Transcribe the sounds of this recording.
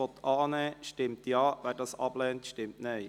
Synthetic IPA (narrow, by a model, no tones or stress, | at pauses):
ɔt̪ʰːʔɑːnɛːʃtɪmt̪jɑːʋɛːrdɑsɑ̰b̥lɛːntʃtɪmtne